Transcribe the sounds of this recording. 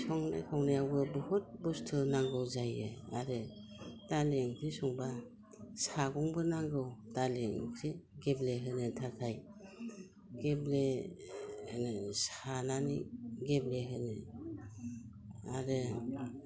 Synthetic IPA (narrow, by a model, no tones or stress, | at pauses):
sɔŋna̰jkʰawnajawɡɯbɯhut̚bɔstʰɯnaŋɡɯwzajɯ̰a̰ɾɯ | taleŋkʰɾisɔŋba | saɡɔŋbɯnaŋɡɯwtaliŋkʰɾiɡebleɦɯnɯtʰakʰaj | ɡ̥eble | hɯnɯsananḭɡebleɦɯnɯ | a̰ɾɯ